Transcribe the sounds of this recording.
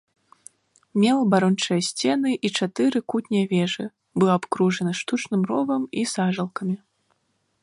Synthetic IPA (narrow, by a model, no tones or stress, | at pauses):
mʲɛlˠɐbaɾɔnt͡ʂɐjɐsʲt͡sʲɛnɨʔit͡ʂat̪ɨɾɨkut̪ʲnʲɐjɐvʲɛʐɨ | bɨlˠaːpkɾuʐɐnɐʂt̪ut͡ʂnɨmrɔvɐmisaʐɐlˠkɐmʲi